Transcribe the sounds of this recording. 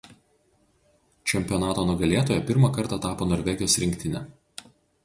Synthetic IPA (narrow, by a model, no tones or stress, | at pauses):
t͡ʃʲɛmʲpʲɪjɔnɑːt̪oːnʊɡɐlʲeɛt̪oːjɛpʲɪɾmɐˑkɐɾˑt̪ɑt̪ɑːpoːnɔːɾʲʋʲɛɡʲɪjoːsɾʲɪŋʲkʲt̪ʲɪnʲɛ